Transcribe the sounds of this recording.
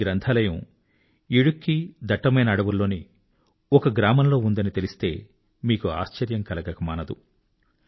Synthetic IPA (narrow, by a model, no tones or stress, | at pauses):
ɡɾɐnt̪ʰaːlɐjɐ̃m | iɽukːid̪ʱɐʈːɐmɐjnɐːɽɐʋulːoːni | ɔkɐɡɾaːmɐnlo̞ːund̪ɐnit̪e̞list̪e̞ː | miːkua̰ːst͡ʃɐɾjɐŋkɐlɐɡɐkɐmaːnɐd̪u